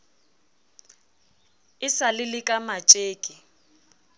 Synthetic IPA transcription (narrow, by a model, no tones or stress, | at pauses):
ɪsalɪlɪkʼamat͡ʃʼeːkʼɪ